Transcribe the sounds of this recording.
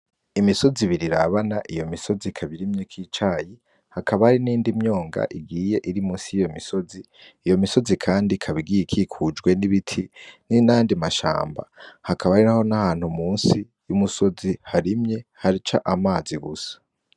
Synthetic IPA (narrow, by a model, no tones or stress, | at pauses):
imiso̞ziβiɾiɾaβanaʔijo̞miso̞zikʰaβiɾimɲekʰiːt͡ʃaːji | hakʰaβahaɾiniːndimɲo̞ːŋɡa̰ʔiɡiːje̞ʔiɾimuːnsijijo̞miso̞ziː | jo̞miso̞zikʰaːndikʰaβiɡijekʰikʰud͡ʒɡwe̞niβitʰininandimaʃa̰ːmba̰hakʰaβaaɾiɾaho̞nahaːn̥humuːnsi | jumuso̞zihaɾimɲe̞haɾit͡ʃa̰ʔamaːziɡusḁ